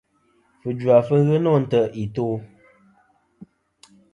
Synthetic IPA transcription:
fɨ˨d͡ʒwa˨fə˦ɣə˦nɔ˦˨n̩˦tə˨i˨to˦

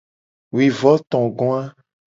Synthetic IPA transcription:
wi˨vɔ˦t̪ɔ̃˨ɡɔ̃˦a˦

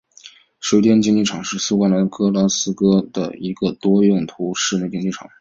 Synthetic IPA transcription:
ʂwe˥t̪jɛ˥nt͡ɕi˥ŋt͡ɕi˥˩ʈ͡ʂʰɑ˨˩ŋʂɻ̩˥˩su˥kwa˥nla˧˥nkɤ˥la˥sɹ̩˥kɤ˥d̪̥ə̰˨i˧˥ɡə˧t̪wɔ˥jʊ˥˩ŋt̪ʰu˧˥ʂɻ̩˥˧ne˥˧˩t͡ɕi˥ŋt͡ɕi˥˩ʈ͡ʂʰɑ̰˨˩˦ŋ

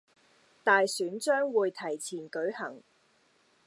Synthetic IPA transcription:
t̪aː˨jsyː˨˥nt͡ʃœː˥ŋwuː˨˧jt̪ʰɐ˨˩jt͡sʰiː˨˩nkɵ˨˥ɥhɐ˨˩ŋ

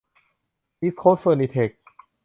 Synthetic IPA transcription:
mi˦˥s̚kʰoː˦˥fəː˧ni˧t̪ʰe˨˩k̚

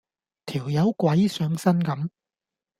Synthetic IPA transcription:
t̪ʰiː˨˩wjɐ˨˧wkwɐ˨˥jsœː˨˥ŋsɐ˥nkɐ˨˥m

